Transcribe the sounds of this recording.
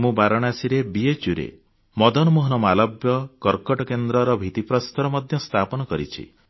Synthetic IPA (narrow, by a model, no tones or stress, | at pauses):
mũbaɾɔɽ̃asiɾebiet͡ʃuɾḛ | mɔd̪ɔnɔmoɦɔnɔmɔalɔbjɔkɔɾkɔʈɔkend̪ɾɔɾɔbʱit̪ipɾɔst̪ɔɾɔmɔd̪ʱjɔst̪ʰapɔnɔkɔɾḭt͡ʃʰḭ